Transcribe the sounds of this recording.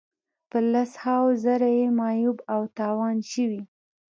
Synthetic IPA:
pəlashɑwzaɾajemɑjubawt̪ɑwɑnʃəwi

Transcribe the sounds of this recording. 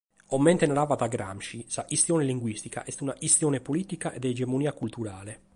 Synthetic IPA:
ɔmːɛnt̪ɛnaɾaːvad̪aɡɾa̰mʃisaʔist̪jɔːneliŋɡwist̪ika̰ʔɛst̪unaʔist̪jɔːnepoliːt̪ikaʔɛd̪ɛːd͡ʒɛmoniːakult̪uɾaːle

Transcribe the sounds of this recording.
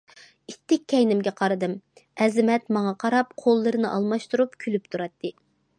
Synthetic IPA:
it̪ʰːɪk̚ʲʰːɛjnɪmɡʲɛqʰɑɾɨd̪ɨmɛzɪmɛt̪mɑŋɑqʰɑɾɑpqʰolˠːɨɾɨnɨʔɑ̰lˠmɑʃt̪uɾupkʲʰylypt̪ʰuɾɑt̪ʰːɨ

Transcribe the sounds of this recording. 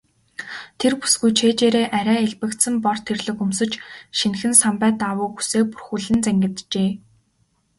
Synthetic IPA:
t̪ʰerpu̥sɡujt͡ɕʰeːt͡ɕeːɾeːʔæɾæːeɮpɘ̆kt̪sɘ̆mpɔr̥t̪ʰerɮɘ̆xɵmsɵ̆t͡ɕʃinxɘ̆nsampæːt̪awʊːɡu̥seːk̚pu̥rxuɮɘ̆nt͡sæŋɡʲɪ̆t̪t͡ɕeː

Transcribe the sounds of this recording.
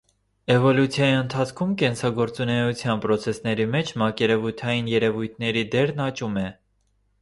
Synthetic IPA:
ɛvɔlut͡sʰjɑjiənt̪ʰɑt͡sʰkʰumkɛnsɑɡɔɾt͡sunɛjut͡sʰjɑnpɾɔt͡sʰɛsnɛɾimɛt͡ʃʰmɑkɛɾɛvujt̪ʰɑjinjɛɾɛvujt̪ʰnɛɾid̪ɛɾnɑt͡ʃumɛ

